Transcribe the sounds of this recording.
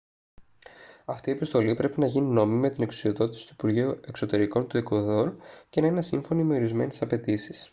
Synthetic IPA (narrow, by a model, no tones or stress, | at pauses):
ɐft̪iepist̪o̞lipɾe̞pinɐʝinino̞mime̞t̪ine̞ksu̥sio̞ðo̞t̪i̥si̥t̪uipuɾʝiue̞kso̞t̪e̞ɾiko̞nt̪uekoðoɾce̞nɐinesiɱfo̞nime̞o̞ɾizme̞nesɐpe̞t̪isi̥s